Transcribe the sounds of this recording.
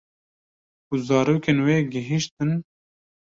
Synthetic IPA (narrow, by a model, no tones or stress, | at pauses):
kuzɑːɾoːkeːnweːɡɪɦiʃt̪ɨn